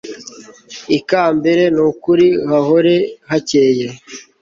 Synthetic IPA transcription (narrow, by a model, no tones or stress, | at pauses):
ikaːmbe̞ɾe̞nukuɾihaɦoɾe̞hace̞ːje